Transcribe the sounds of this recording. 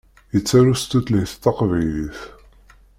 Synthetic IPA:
jət͡sːæɾust̪ut̪ləhθt̪ːɑqvæjliθ

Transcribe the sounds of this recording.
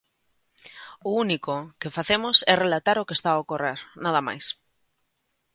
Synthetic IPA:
ʊunikʊkefaθemʊsɛrelat̪aɾokest̪aːokoreɾnað̞ɐma̰js

